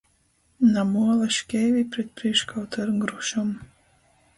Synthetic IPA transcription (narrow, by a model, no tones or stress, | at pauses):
namuɔlˠaʃkʲɛjvʲipɾɛt̪̚pɾiɛkʃkawt̪ʰɔɾŋɡɾuʃɔm